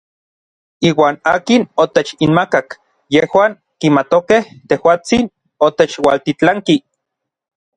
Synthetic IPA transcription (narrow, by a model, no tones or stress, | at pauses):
iːwaːnaːkinot̪et͡ʃinmakak | jehwaːŋ | kimat̪okeht̪ehwaːt͡sin | ot̪et͡ʃwa̰lt̪it͡ɬaŋki